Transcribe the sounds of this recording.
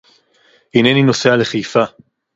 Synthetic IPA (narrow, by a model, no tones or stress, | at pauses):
inenino̞sealeχejfa